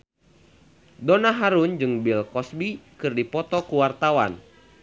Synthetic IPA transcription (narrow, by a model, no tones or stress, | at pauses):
dɔnaɦaɾund͡ʒɨŋbilkɔsbikɨrdipɔt̪ɔkuwart̪awa̰n